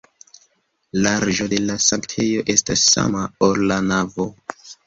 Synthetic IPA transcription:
laɾʒo̞de̞lasaŋktʰe̞jo̞ʔe̞stasːa̰maolːanavo̞

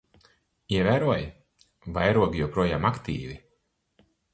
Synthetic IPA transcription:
iɛvæːɾuɔj | vajɾuɔɡijɔwpɾuɔjaːmakt̪ḭːvi

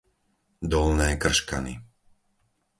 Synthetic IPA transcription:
d̪ɔlnɛːkr̩ʃka̰nḭ

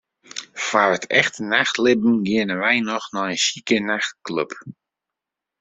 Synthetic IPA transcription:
farətʰɛ̰xtənaxtlɪbn̩ɡɪənənʋɛjnɔxnɔənsikənaxtkløp

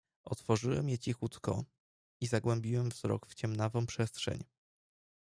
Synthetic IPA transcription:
ʔɔt̪fɔʐɘwɛ̰mjɛt͡ɕixut̪kɔ̰ | izaɡwɛmbʲiwɛmvz̥ɾɔ̰kft͡ɕɛmnavɔ̃w̃pʂɛstʂɛ̰ɲ

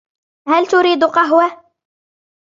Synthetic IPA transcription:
halt̪ʊɾiːd̪qɑɦwa

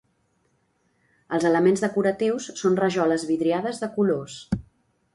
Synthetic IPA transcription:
əlˠzələmenzðəkuɾət̪iwsːonrəʒɔləzβiðɾiaðəzðəkulos

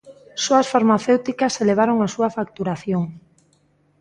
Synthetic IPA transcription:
soasfaɾmaθewt̪ikaseleβ̞aɾoŋasuɐfak̚t̪uɾaθjoŋ

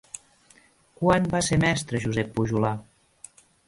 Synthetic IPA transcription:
kwanbasemɛst̪ɾəʒuzɛpːuʒula

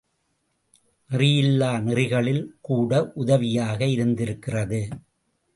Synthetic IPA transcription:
nɪrɪjɪlːaːnɪrɪɣɐɭɪlkuːɽɐʔʊðɐʋɪjaːɣɐɪɾɯnd̪ɪɾɯkːɪrɐðɯ

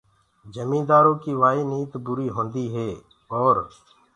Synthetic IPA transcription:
d͡ʒəmĩːd̪aːɾõːkiːʋaːiːniːt̪bʊɾiːɦõːnd̪iːɦeː | ɔːɾ

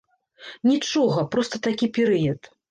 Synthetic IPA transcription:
nʲit͡ʂɔɣɐpɾɔst̪ɐt̪akʲipʲɛɾɨjɐt̪

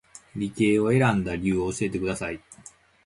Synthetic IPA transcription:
ɾʲike̞ːoe̞ɾãnd̪aɾʲɨːoːɕie̞t̪e̞kɯ̟d̪asai

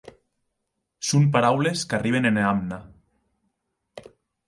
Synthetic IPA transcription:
sumpaɾawleskariβ̞eneneamna

